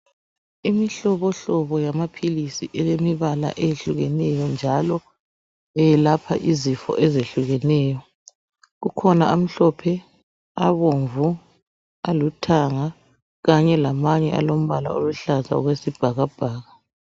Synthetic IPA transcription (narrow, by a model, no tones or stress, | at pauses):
imiɬɔβɔɬɔβɔjamapʰilisiʔɛlemiβala̰ʔejeɬuɣɛnɛjɔnd͡ʒʱalɔ | ɛɛlapʰa̰ʔizifɔ̰ʔɛzeɬuɣɛnɛːjɔ | ɣukʰɔnaam̩ɬɔpʰɛ | aβoɱvu | alutʰaŋa | ɣaɲɛlamaɲɛ̰ʔalom̩βala̰oluɬaza̰ṵɣwesib̥ʱaɣab̥ʱaːɣa